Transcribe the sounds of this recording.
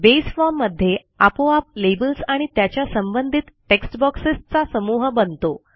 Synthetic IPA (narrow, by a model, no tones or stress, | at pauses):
besfɔɾmːəd̪ʱːje | apoap̚lebəlsaɽ̃it̪jat͡ɕjasəmbənd̪ʱit̪ʈeksʈbɔksist͡sasəmuɦbənt̪o